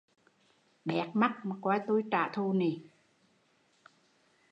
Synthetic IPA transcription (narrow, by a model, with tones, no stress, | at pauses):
ɓɛ˨˩k̚ma˦˥k̚ma˨˩kwaː˨˧˦jt̪u˧jt͡ɕa̰ː˧˨t̪ʰu˧ni˨˩